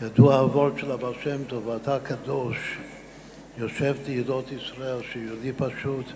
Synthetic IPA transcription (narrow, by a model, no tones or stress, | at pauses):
jad̪uaavolʃelabalʃemt̪ovat̪akʰad̪oʃ | joʃevtijedot̪isʁaelʃejod̪ipaʃut̪